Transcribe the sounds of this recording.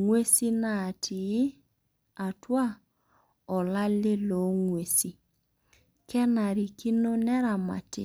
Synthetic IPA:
ŋwe˦si˦na˦˨tʰi˨˦ | a˨twa˦ | ɔ˨la˦le˦lo˨˦ŋwe˨si˨ | kɛ˦na˨ɾi˨ki˦no˦nɛ˦ɾa˨ma̰˨tḛ˨

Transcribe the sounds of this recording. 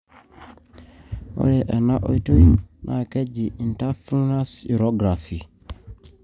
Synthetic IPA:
o̰˦jɛʔɛ˨na˦ʔo̰˨ito˦junʔa̰˨ke˦ɟi˨ʔi˨nta˦fu˦ŋna˦si˨ɾo˦ɡɾafi˨

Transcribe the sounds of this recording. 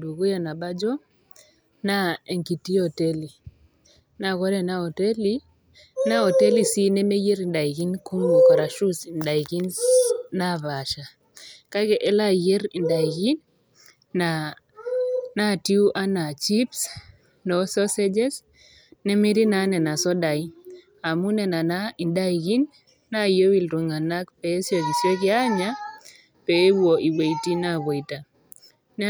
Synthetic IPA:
du˨ɡu˦ja˨na˨ba˦d͡ʒɔ˦ | na˦e˨ŋki˨ti˦ɔ˨tɛ˦li˨ | na˨kɔ˦ɾɛ˦˨na˦ɔ˨tɛ˦li˦ | na˦ɔ˨tɛ˦li˦si˦nɛ˦me˦ji˦ɾi˨nda˨i˨ɡi˦nku˦m˨kɔ˨ɾa˨ʃu˦snda˨i˨ki˦nna˦βa˨ʃa˨ | ka˦kɛ˨ʔɛ˦la˦je˦ɾi˨nda˨i˨ɡi˦nː | a | na˦ti˦u˦ʔa˦na˨t͡ʃi˦ps | nɔ˨sɔ˦sɛ˦d͡ʒɛ˦s | nɛ˦mi˦ɾi˦na˦nɛ˨na˨sɔ˦da˨ji | a˨mu˦nɛ˨na˨na˦i˨nda˦iki˦nː | a˦jo˦wi˨lɾu˨ŋa˨na˦kpɛ˨˦sjo˨ki˨sjɔ˦ki˦a˦ɲa | pɛ˨˦wo˨ʔi˨we˨jti˦na˦βɔ˨ita˨ | n

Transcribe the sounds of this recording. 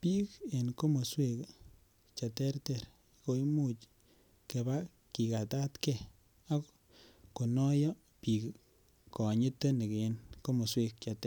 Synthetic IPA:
pi˦ke˨nko˦mo˨swe˧k | t͡ʃa˨tɛ˦ɾte˦˨ɾ | ko˧jmu˦t͡ʃ | ke˨ba˦ | ki˨ka˨ta˦t̪ke˦ | a˦k | ko˨nɔ˦jɔ˦ | pi˨k | kːɔ˨ɲi˦t̪ːo˦ni˨ke˨nko˦mo˨swe˧k̚t͡ʃa˨te˦

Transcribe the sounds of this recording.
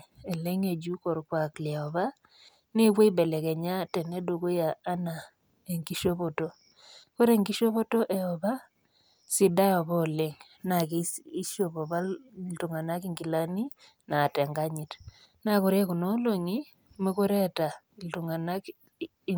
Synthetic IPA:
e˨le˦ŋe˨d͡ʒu˦kɔ˨ɾkwa˨klɛ˨ɔ˨βa˦ | ne˦kwe˦i˦bɛ˨lɛ˨kɛ˨ɲa˦tɛ˨nɛ˦do˨ko˦jaː˨˦na˨ | e˨ŋɡi˦ʃo˦βo˨to˦ | ko˦ɾe˦˨ŋɡi˦ʃo˦βo˦to˦ʔɛ˨ɔ˨βa˦ | si˨da˦jɔ˨βɔ˦˨le˦ŋ | na˨kii˦ʃo˦βɔ˨βa˦ltu˨ŋa˨na˦ki˦ŋɡi˨la˦ni˦ | na˨tɛ˨ŋɡa˦ɲi˨t | na˨kɔ˨ɾe˦ku˨nɔ˦lo˨ŋi˦ | me˦ko˦ɾɛ˦ta˨ | ltu˨ŋa˨na˦k

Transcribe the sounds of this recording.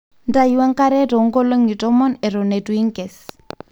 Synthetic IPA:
n˦da˦i˦wa˦ŋ˦ka˦ɾɛ˦tɔ˨˦ŋ˦ɡo˦lo˦ŋi˨tɔ˦mɔ˦nɛ˨ɾɔ˨ne˨tu˨i˦ŋkɛ˨s

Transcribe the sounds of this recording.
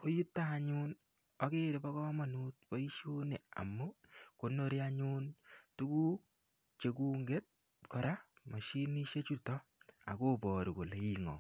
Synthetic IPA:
ko˦ju˦tːaː˦˨ɲun | ɔ˨ke˦ɾe˨pɔ˦kɔ˦ma˨nu˦t̚pɔ˦i˦ʃo˦ne˨a̰˨mːu˦ko˨no˦ɾi˦a˦ɲu˦ntu˦ku˦ | t͡ʃe˨ku˦ŋɡe˦t̚ | kɔ˨ɾa˦ | ma˨ʃi˦ni˦ʃe˦t͡ʃu˦tɔ˦ | a̰˨ko˦bɔ˨ɾu˨ko˨le˨i˦ŋɔ̰˨

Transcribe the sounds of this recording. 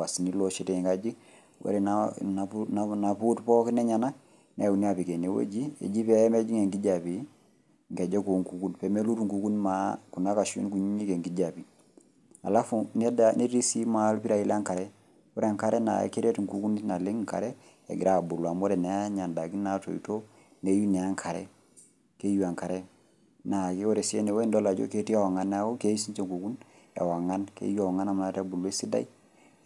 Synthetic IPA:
wa˨si˨ni˦lɔ˦ʃe˨te˨ɲ˨ka˦d͡ʒi˦ | wɔ̰˦ɾɛ˨nana˨unana˨pu˦tpɔ˦ki˦nɛ˦ɲa˨na˦ | nɛ˦˨u˨ni˦a˨pi˨ke˨ne˨˦wḛ˦d͡ʒi˦ḛ˨d͡ʒi˦pɛ˦mɛ˦d͡ʒi˦ŋe˨ŋɡi˦d͡ʒa˨pi˨ | ŋkɛ˨d͡ʒɛ˦ku˨ŋku˨ku˦npɛ˨me˦lu˦tu˨ŋku˨ku˦nmaku˨na˦ka˨ʃṵ˦nku˨ɲi˦ɲi˦ke˨ŋɡi˦d͡ʒa˨pi˨ | a˨la˦funɛ˦dani˦ɾi˦si˦ma˨˦lpi˦ɾa˨i˦lŋka˨ɾɛ˦ | o˦ɾe˦a˨ŋka˦ɾɛ˦na̰˨ḛ˦kːe˦ɾe˦ti˨ŋku˨ku˦ni˦na˨le˦ŋ˦ŋka̰˨ɾɛ˦ | ɛ̰˨ɡḭ˨ɾa˦˨bu˨lwa˨mɔ˦ɾɛ˨nɛ˨a˦ɲa˨nda˨ki˦na˦to̰˨ḭ˨to˦ | ne˨˦ju˦nɛ˨a˦ŋkʰa˨ɾɛ̰˦ | ke˦ju˦a˨ŋka˨ɾɛ˦ | na˨ke˦o˦ɾe˨se˦ne˨we˦ndɔ˦la˨d͡ʒo̰˦ke˦ti˦a˦wa˨ŋa˨˦n˦a˦o˦ke˦i˦si˦ɲt͡ʃe˨ŋku˨ku˦n | ɛ̰˨wa˨ŋa˦nkḛ˦ju˦a˨ŋa˦na˨m˨˦ta˦bu˨le˦si˦da̰˦i˦

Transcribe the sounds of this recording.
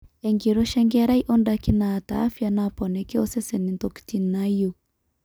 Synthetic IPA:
ɛ˨ŋɡi˨ɾɔ˦ʃa˦ŋɡa˦ɾa˦i˦ʔɔ˦ndaki˦na˨taː˨˦fja˦napɔ˨nɛ˨ki˦ɔ˦sɛ˦sɛ˨ni˨nt̪ɔ˨ki̥ti˦nna˦ju˨

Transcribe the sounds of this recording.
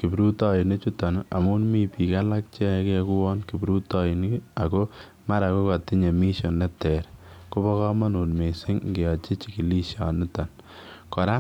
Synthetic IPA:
ki˨bɾu˦tɔ˦i˨ne˦t͡ʃu˦ta˨na˨mu˦nmi˦pi˨ka˦la˦k̚t͡ʃɛ˦kɛku˦wɔ˦nki˨bɾu˦tɔ˦i˨n˦a˨ko˦ | ma˦ɾa˨ko˦ka˨ti˦ɲe˨mi˦ʃɔ˨nːɛ˦tɛɾko˦bɔ˦kɔ˦ma˦nu˨nme˨sɪ˦ŋɡe˨ɔ˨t͡ʃi˦t͡ʃi˨ki˨li˦ʃa˨nɪ˦ta˨n | kɔ˨ɾa˦

